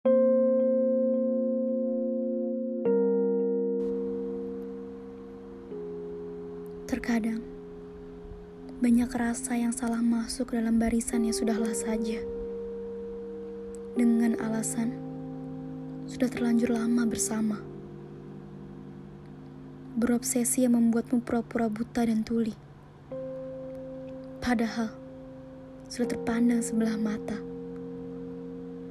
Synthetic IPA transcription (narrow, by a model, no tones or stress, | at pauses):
t̪ərkadaŋ | baɲakrasajaŋsalahmasʊkdalambaɾisanjaŋsudahlahsad͡ʒa | dəŋana̰lasan | sudaht̪ərlaɲd͡ʒʊrlamabərsama | bəɾɔpsɛsijaŋməmbuat̪̚mupɾapuɾabut̪adant̪uli | padaɦal | sudaht̪ərpandaŋsəbəlahmat̪a